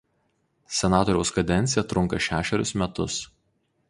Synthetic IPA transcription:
sʲɛnɑːt̪ɔɾʲɛʊskɐd̪ʲɛnʲt̪sʲɪjɛt̪ɾʊŋˑkɐʃʲæːʃʲɛɾʲʊsmʲɛt̪ʊs

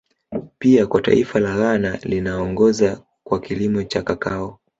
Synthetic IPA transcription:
piakwata̰ifalaɣanalinaɔŋɡɔza | kwakilimɔt͡ʃakakaɔ

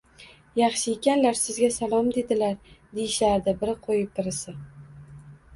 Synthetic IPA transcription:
jɑχʃɪekʲanlaɾsɪzɡʲasalˠɒmd̪e̞d̪ɪlaɾd̪ejɪʃaɾd̪ɪbɪɾɪqʰojɪp̚t̪ʰɪɾɪsɪ

